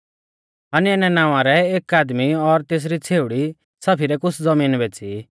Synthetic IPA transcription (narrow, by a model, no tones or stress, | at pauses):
ɐniɛnɛnãːʋãɾɛeːkaːd̪miɔɾt̪eːs̬ɾit͡sʰeːʊɽi | sɐpʰiɾɛkʊt͡sʰd͡zɐmiːnbɛːt͡si